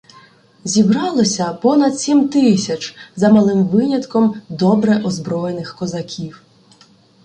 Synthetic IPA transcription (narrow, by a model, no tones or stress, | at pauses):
zʲibɾɑlˠɔsʲɐpɔnɐd̪sʲimt̪ɪsʲɐt͡ʃzɐmɐlˠɪmʋɪnʲɐt̪kɔmd̪ɔbɾɛʔɔzbɾɔjenɪxkɔzɐkʲʰiw